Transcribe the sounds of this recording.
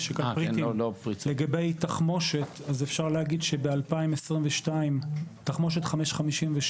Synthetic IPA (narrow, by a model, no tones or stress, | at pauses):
ʃekapʁit̪ilopʁileɡabejtaχmo̞ʃetazefʃaʁleaɡidʃebealpaimesʁimveʃtaimtaχmo̞ʃ̬e̞t̪χameʃχamiʃimveʃ